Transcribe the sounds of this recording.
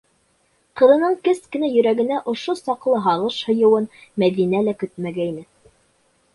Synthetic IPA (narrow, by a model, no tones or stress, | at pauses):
qɤ̆ðɤ̆nɤɴkɘskɘ̆næjɵ̆ɾæɡɘ̆næʔŏʃosɑqlˠɤɦɑʁɤʃhŏjɤ̆wɤnmæðinælækɵt̪̚mæɡæinɘ